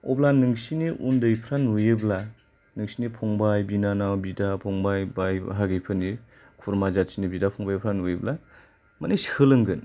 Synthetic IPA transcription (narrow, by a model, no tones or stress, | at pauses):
ɔ̰blanɯŋsiniʔundɯjpʰɾanujɯbla | nɯŋsinipʰɔŋbajbinanawbidapʰɔŋbajbajɦaɡɯjpʰɯni | kʰuɾmazat̚sinibidapʰɔŋbajpʰɾanujibla | manisi̥hʰɯlɯŋɡɯn